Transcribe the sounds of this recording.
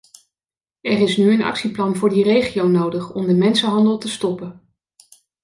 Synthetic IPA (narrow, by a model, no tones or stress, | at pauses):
ɛrɪsnyənɑ̰ksiplɑnvʊːɹdirejχijownowdəχɔmdəmɛnsəɦɑndəlˠtəstɔpən